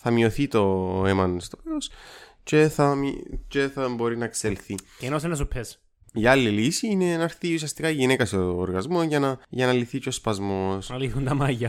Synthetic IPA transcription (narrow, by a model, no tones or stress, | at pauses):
θɐmio̞θit̪o̞emɐnst̪opeɾos | ce̞θɐmice̞θɐbo̞ɾinɐkselθicenosenɐs̬upʰes | iɐlːilisiine̞enɐɾθiusiɐst̪ikɐiʝinekɐsoːɾɣɐzmo̞nʝɐnɐʝɐnɐliθiceospɐzmo̞sɐliθunt̪ɐmɐʝɐ